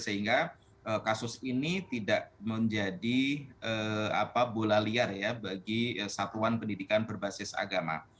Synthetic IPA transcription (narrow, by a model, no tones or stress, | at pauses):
səɦiŋɡa | ʔəkasʊsinit̪idaʔməɲd͡ʒadiəa̰pabolaliarjabaɡiəsat̪uanpəndidikanbərbasɪsa̰ɡama̰